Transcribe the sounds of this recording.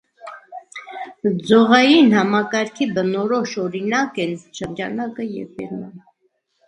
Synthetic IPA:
d͡zɔʁɑjinhɑmɑkɑɾkʰibənɔɾɔʃɔɾinɑkɛnʃəɾd͡ʒɑnɑkəjɛ̰vpɛ̰ɾmɑ̰n

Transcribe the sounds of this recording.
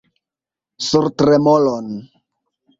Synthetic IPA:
suɾtɾemolon

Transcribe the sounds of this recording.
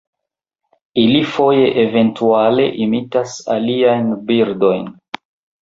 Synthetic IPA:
ilifo̞je̞ʔeve̞ntuale̞̰ʔimitasa̰liajnbiɾdo̞jn

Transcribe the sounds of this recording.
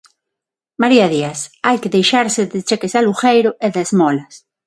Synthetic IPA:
maɾiaðiasajkeðejʃaɾsed̪est͡ʃekesaluxejɾoeðezmɔlas

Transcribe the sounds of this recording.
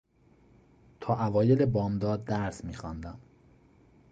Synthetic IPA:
t̪ʰɒːʔævɒːjelebɒːmd̪ɒːd̪ːæɾsmiːxɒnd̪æm

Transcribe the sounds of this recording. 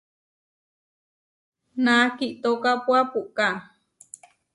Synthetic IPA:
nakiʔt̪okapuapuʔka

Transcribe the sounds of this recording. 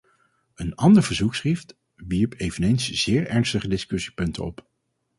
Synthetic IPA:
ənɑndəɹvəɹzuksχift | ʋiɹpejvənejnsz̥ɪːɹɛɹnstəχədɪskɵsi̥pɵntə̰ɔ̰p

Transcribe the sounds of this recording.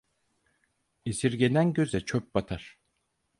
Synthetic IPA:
isiɾɟe̞nænɟøzɛt͡ʃʰøp̚bat̪ʰaɾ̥

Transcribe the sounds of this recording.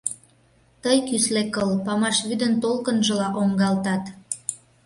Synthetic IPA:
t̪əjkyslekəlpɑmɑʃβyd̪ənt̪olkənʒə̆lɑʔoŋɡɑlt̪ɑt̪

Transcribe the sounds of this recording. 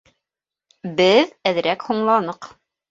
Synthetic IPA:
bɘðæðɾækhuɴlˠɑnɤq

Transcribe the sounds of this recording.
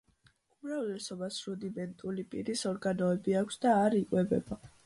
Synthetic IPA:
umɾavlɛsɔbasɾud̪imɛnt̪ʼulipʼiɾisɔɾɡanɔɛbiakʷʰsd̪aːɾikʼwɛbɛ̰ba

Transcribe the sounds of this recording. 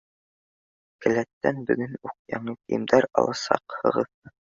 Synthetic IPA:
kɘ̆læt̪ːænbɵ̆ɡɘnuq̚jɑɴɤkɘ̆jɘ̆md̪æɾɑ̰lˠɑsɑ̰qhɤ̆ʁɤðɤ

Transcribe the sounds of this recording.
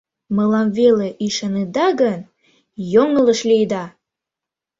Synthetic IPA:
məlɑmveleʔiʃɑned̪ɑɣən | joŋələʃlijd̪ɑ

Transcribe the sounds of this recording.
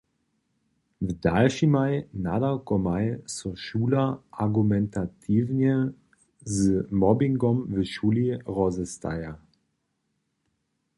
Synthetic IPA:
vədalʃimaɪnadɐkɔmaɪsɔʃuːlɐʔaɡumɛntatʰiːvnə | zəmɔbɪŋɡɔmvəʃuːliʁɔzəst̪ʰa̰ja

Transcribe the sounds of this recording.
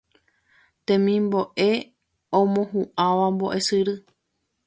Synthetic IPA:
t̪ẽmĩmboʔe̞ | õmõhuʔãʋambo̰ʔe̞sɨɾɨ

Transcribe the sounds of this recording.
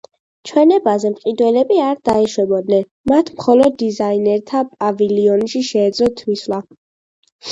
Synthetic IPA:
t͡ʃʰwɛnɛbazɛmqʼid̪wɛlɛbiaɾd̪aɛʃwɛbɔd̪nɛn | mat̪ʰmχɔlɔd̪ːizainɛɾt̪ʰapʼaviliɔnʃiʃɛːd̪zɔt̪ʰmislˠa

